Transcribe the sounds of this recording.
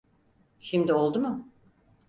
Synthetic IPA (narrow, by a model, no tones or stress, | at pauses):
ʃimd̪io̞lˠd̪umʊ